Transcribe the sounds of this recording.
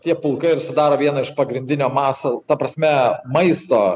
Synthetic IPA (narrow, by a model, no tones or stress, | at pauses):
t̪ʲiɛpʊlˠkɐɪɪɾsʊd̪ɑːɾoːʋʲiɛnɐɪʃpɐɡɾʲɪnʲd̪ʲɪnʲoːmɑːsoːt̪ɐpɾɐsʲmʲɛmɐɪst̪oː